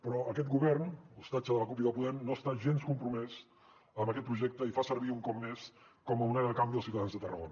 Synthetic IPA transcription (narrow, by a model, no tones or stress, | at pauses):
pɾɔʔəkɛt̪̚ɡuβɛrnlst̪at͡ʃəðələkupjəðəpuðɛmnoəst̪aʒenskumpɾumɛz | əmbəkɛt̪̚pɾuʒɛk̚t̪əifasəɾβiuŋkɔpmes | kɔməunɛɾkambiðəsiuwt̪əðanzðət̪ərə̰ɣonə